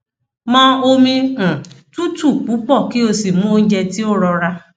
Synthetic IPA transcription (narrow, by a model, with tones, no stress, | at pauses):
mãː˦o˧mĩ˧kã˨tu˦tu˦˨k͡pu˨˦k͡pɔ˦˨ki˦o˧si˨mũ˦o˧n̩˦d͡ʒɛ˧ti˦o˦˨ɾɔ˧ɾa˧